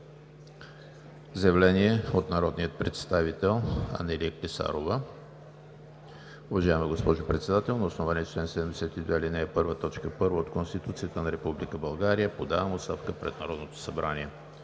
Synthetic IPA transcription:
zəjɛvlɛniɛot̪nɐɾɔd̪nijət̪̚pɾɛt̪st̪avit̪ɛlˠɐ̰nɛliəklʲisa̰ɾovə | ʊvɐʒaɛmɐɡospɔʒʊpɾɛt̪sɛd̪at̪ɛlˠnɐosnovaniɛt͡ʃlɛnsɛd̪ɛmd̪ɛsɛt̪id̪vɛlinɛːpɤɾvət̪ɔt͡ʃkəpɤɾvəot̪konst̪it̪ut̪sijət̪ənɐɾɛpublikəbɐlˠɡaɾijəpod̪avɐmost̪afkəpɾɛ̰t̪nɐɾɔd̪not̪o̥sɐbɾʔaniɛ

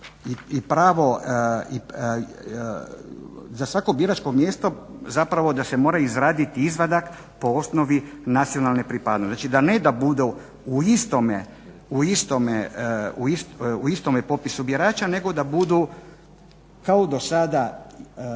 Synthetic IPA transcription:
iipɾaːʋo̞i | zasʋako̞bjiɾat͡ʃko̞mjeːst̪ozapɾaʋo̞d̪asemo̞ːɾaizɾaːd̪it̪iizʋad̪ak | po̞o̞sno̞ʋinat̪sio̞nalˠne̞pɾipad̪nonat͡ʃid̪aned̪abud̪u | uist̪ome | uist̪omeuist̪uist̪o̞mepo̞pisubjeɾaːt͡ʃane̞ɡo̞d̪abud̪u | kaod̪o̞sad̪a

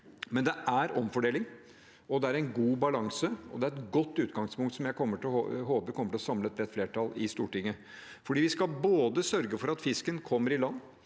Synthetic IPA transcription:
mɛnd̪ɛʔæɾɔmfɔɖeːlɪŋ | ɔd̪ɛæɾɛɪnɡuːbɑlɑŋsəɔ̰d̪ɛæɾɛt̪ɡɔt̪ːʉːt̪ɡɑŋspʊŋk̚t̪sɔmjæɪkʰɔmːəʈɪɦoːpəɾkʰɔmːəʈɪlɔsɑmləɛt̪̚bɾɛt̪fleːʈɑlɪst̪uːʈɪŋːə | fɔɖiːʋɪskɑboːd̪əsœɾɡəfɔɾɑt̪fɪskənkʰɔmːəɾɪlɑnː

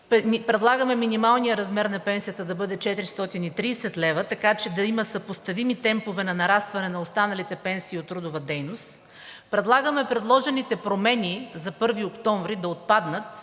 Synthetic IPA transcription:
ɛpɾɛd̪lˠaɡəmɛminimalˠnijəɾɐzmɛɾnɐpɛnsijət̪əd̪ɐbɤd̪ɛt͡ʃɛt̪ɾist̪ɔt̪init̪ɾiːsɛt̪lɛvət̪ɐkat͡ʃɛd̪ɐimɐsɐpost̪ɐvimit̪ɛmpovɛnɐnɐɾast̪vɐnɛnɐost̪anɐlit̪ɛpɛnsiːot̪ːɾud̪ovɐd̪ɛjnost̪ | pɾɛd̪lˠaɡəmɛpɾɛd̪lˠɔʒɛnit̪ɛpɾomɛnizɐpɤɾviokt̪ɔɱvɾid̪ɐot̪̚pad̪nət̪

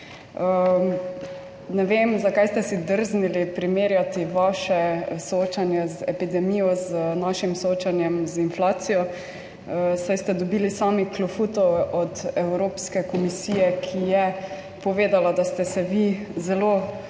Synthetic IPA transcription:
ə | nɛʋeːmzakajst̪ɛsid̪əɾznilipɾimeːɾjat̪iʋaʃɛsooːt͡ʃanjɛzɛpid̪ɛmijɔznaʃimsooːt͡ʃanjɛmzinflaːt̪sijɔ | əsajst̪ɛd̪ɔbiːlisaːmiklɔfut̪ɔwʔɔd̪ɛwɾoːpskɛkɔmisiːjɛkʰijɛ | pɔʋeːd̪alad̪ast̪ɛsɛʋizɛlo

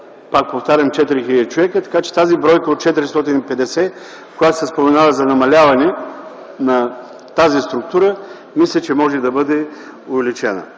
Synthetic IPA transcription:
pak̚poft̪aɾʲɐmt͡ʃɛt̪iɾixilʲəd̪it͡ʃovɛkət̪ɐ̥kat͡ʃɛ̥t̪azibɾɔjkəot̪̚t͡ʃɛt̪iɾist̪ɔt̪inipɛd̪ɛsɛ | kojat̪ʊ̥sɛspomɛnavəzɐnɐmɐlʲavɐnɛ | nɐ | t̪azist̪ɾʊk̚t̪uɾə | mislʲət͡ʃɛmɔʒɛd̪ɐbɤd̪ɛ | ʊvɛlit͡ʃɛnə̰

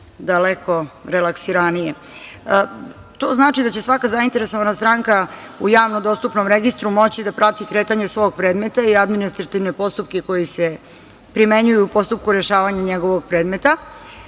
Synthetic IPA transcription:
d̪aleko̞ɾelaksiɾanije | t̪oːznaːt͡ʂid̪at͡ɕe̞sʋakazaint̪e̞ɾe̞so̞ʋanast̪ɾaŋkaujaːʋnod̪o̞st̪upnomɾeɡist̪ɾumo̞t͡ɕid̪apɾat̪ikɾeːt̪aɲesʋo̞ːɡ̚pɾe̞ːd̪me̞t̪aiad̪minist̪ɾat̪iʋne̞po̞st̪up̚keko̞jise̞ | pɾime̞ɲujuːpo̞st̪up̚kuɾe̞ʃaːʋaɲaɲeɡo̞ʋoɡpɾe̞ːd̪me̞t̪a

